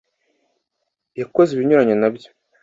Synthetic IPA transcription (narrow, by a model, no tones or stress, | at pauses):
jakozeβiɲuɾaɲonabjo̥